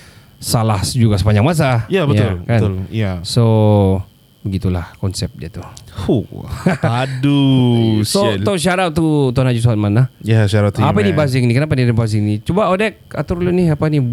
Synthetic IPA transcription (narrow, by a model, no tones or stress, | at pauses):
salahd͡ʒuɡasəpaɲd͡ʒaŋmas̬ajabəaʊlbkanʊljaso | bəɡit̪ulahkɔnsɛp̚diat̪uhu | adu | sooʃaɾat̪̚ːut̪anad͡ʒus̬uɦat̪̚manahjaʃaɾat̪ːuapanibazɪŋnikənap̬anidibazɪŋnit͡ʃubaodɛk̚a̰t̪ʊɾlʊniapani